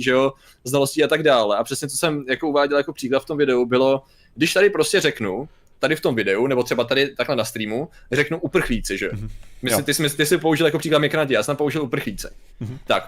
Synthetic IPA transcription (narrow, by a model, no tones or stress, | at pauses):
ʒɛo | znalosciat̪aɡdaːlɛapr̝̥ɛsɲɛt͡s̪osɛmjakouvaːɟɛljakopr̥iːklat̪ft̪o̞mvɪdɛubɪlo̞ | ɡdɪʃt̪adɪpɾoscɛrɛknu | t̪adɪft̪omvɪdɛunɛbot̪r̥ɛbat̪adɪt̪aklɛnast̪ɾiːmurɛknuʔupr̩xliːt͡sɪʒɛo̰mɪɪt̪ɪsmɪt̪ɪsɪpouʒɪljakopr̥iːkladmɲɛknaːcɪjaːsɛnt̪ampouʒɪlupr̩xliːt͡sɛ̥ | t̪ak